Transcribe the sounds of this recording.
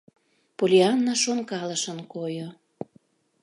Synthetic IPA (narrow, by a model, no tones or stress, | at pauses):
polʲiɑnːɑʃonkɑləʃənkojo